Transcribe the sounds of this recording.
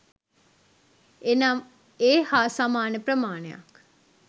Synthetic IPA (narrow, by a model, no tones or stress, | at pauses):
enam | eːhaːsamaːnəprəmaːnəja̰k